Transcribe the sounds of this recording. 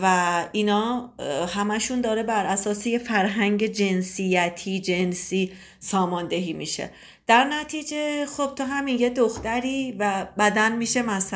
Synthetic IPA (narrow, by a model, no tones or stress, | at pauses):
væinɒːhæmæʃund̪ɒːɾebæɾæsɒːsejefæɾɦæŋɟe̞d͡ʒe̞nsijæt̪ʰiːd͡ʒe̞nsiː | sɒːmɒnd̪e̞ɦiːmiːʃḛ | d̪̥æɾnæt̪ʰiːd͡ʒe̞xo̞b̥̚t̪ʰoɦæminjed̪oxt̪æɾiːvæbæd̪ænmiːʃemæs